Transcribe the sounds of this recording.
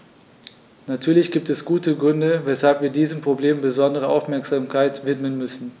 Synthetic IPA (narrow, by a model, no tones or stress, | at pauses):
natʰyːɐlɪçɡ̥iːp̚tɛsɡ̥uːtəɡʁʏndəvɛshalpviːɐdiːzəmpʁ̥obleːmbəzɔndəʁ̞əʔaʊfmɛɐkz̥aːmkʰaɪtv̥ɪtmənmʏsn̩